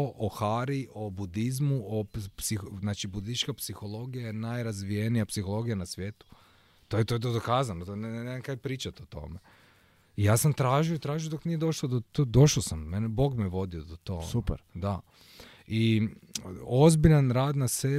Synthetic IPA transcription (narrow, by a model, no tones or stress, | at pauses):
ʔoxaɾiʔo̞bud̪izmuopsiznaːt͡ʃibud̪it͡ʃkapsixolˠo̞ɡijanajɾazʋijenijapsixo̞lˠo̞ɡijanasʋje̞ːt̪u̥ | t̪ojet̪oet̪̬od̪okaːzanot̪onneamkajpɾiːt͡ʃat̪ot̪o̞̰me | ijaːsamt̪ɾaːʒijoit̪ɾaːʒijod̪o̞knijed̪o̞ʃlod̪ot̪od̪o̞ʃosamːenebo̞ːɡmieʋo̞d̪iod̪ot̪o̞̰supɾd̪a | i | ozbiʎanɾaːd̪nase